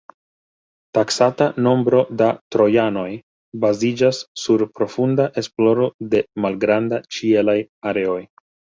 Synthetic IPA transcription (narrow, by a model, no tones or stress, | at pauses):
taksatano̞mbɾo̞datɾo̞jano̞j | bazid͡ʒasːuɾpɾo̞fundaʔe̞splo̞ɾo̞de̞malɡɾandat͡ʃie̞lajaɾe̞o̞j